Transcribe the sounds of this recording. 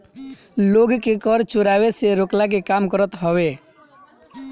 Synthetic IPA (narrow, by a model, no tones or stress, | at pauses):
loɡkekɔɾt͡ʃuɾabeseɾoklak̬ekamkɔɾɔt̪ɦɔbe